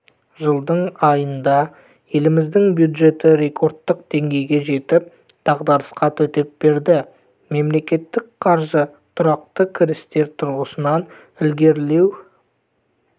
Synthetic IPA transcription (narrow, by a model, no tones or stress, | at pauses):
ʒəlˠd̪əɴɑjənd̪ɑ | je̞lɪmɪzd̪ɪŋbjud̪ʒe̞t̪ɪɾe̞kʰo̞ɾt̪ːəq̚d̪e̞ŋɡʲe̞jɡʲe̞ʒe̞t̪ɪp̚ | d̪̥ɑʁd̪ɑɾəsqɑt̪ʰɵt̪e̞p̚b̥e̞ɾd̪ɪ | me̞mle̞kʲe̞t̪ːɪk̚qʰɑɾʒət̪ʰʊɾɑq̚t̪əkʲʰɪɾɪst̪e̞ɾt̪ʰʊɾʁəsənɑn | ɪlɡʲe̞ɾle̞w